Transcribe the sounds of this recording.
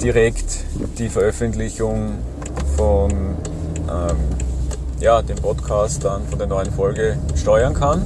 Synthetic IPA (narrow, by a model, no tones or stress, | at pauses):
d̥iʁɛktd̥iːfɛɐʔœfəntlɪçʊŋ | fɔn | ʔɛm | jaːd̥eːmpʰɔtkʰaːstd̥anfɔndeːɐnɔʏənfɔlɡəʃtɔʏɐnkʰan